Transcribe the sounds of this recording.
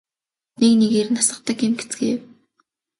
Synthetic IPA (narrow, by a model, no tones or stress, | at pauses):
neknekernasə̆qt̪ə̆kimɡet͡sɡeːw